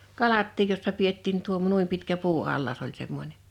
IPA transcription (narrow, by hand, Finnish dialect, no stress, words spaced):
kɑlɑtːiːj josːɑ pietːiːn tuom nuim pitkæ puːɑlːɑs olʲ semːonʲe